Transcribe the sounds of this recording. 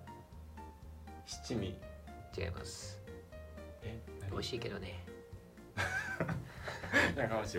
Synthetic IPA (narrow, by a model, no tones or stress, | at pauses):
ɕi̥t͡ɕimʲit͡ɕia̰imʔa̰sɨ̥ | o̞iɕiːke̞d̪o̞ne | ɲakãmɕi